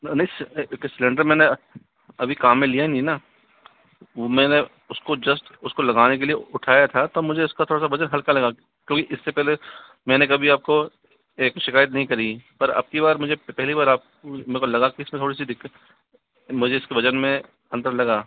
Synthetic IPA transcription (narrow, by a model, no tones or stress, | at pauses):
nɐɦĩsksɪlẽɳɖəɾmɛ̃ːne | ɐbʱikaːmːẽlijanĩna | omɛ̃ːne | ʊskod͡ʒɐsʈʊskolɐɡaːnek̬elieʊʈʰaːjat̪ʰat̪omʊd͡ʒʱeʊskat̪ʰoːɽasabɐd͡ʒənɦɐlkalɐɡa | kjõːkiʔɪsːepɛɦle | mɛ̃ːnekɐbʱiaːp̚ko | eːkʃɪkaːjət̪̬nɐɦĩkɐɾipɐɾɐ̰b̚kiβaːɾmʊd͡ʒʱepɛɦlibaːɾaːp̚ | mɛ̃ːkolɐɡakiɪsmẽt̪ʰoːɽis̬id̪ɪkːt̪ | mʊd͡ʒʱeɪskebɐd͡ʒənmẽ | ɐ̃nt̪əɾlɐɡaː